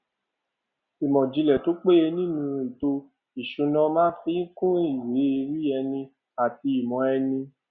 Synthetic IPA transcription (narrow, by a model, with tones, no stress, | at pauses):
i˨mɔ̃˨d͡ʒi˨˧lɛ˨to˨˦k͡pe˦je˧nĩ˦nũ˧i˨to˧ | i˨ʃũ˨˧nɔ̃˧mã˦fĩ˦kũ˦i˦˨we˨˦i˧ɾi˦ɛ˧nĩ˧ | a˨ti˧i˨mɔ̃˨˦ɛ˧nĩ˧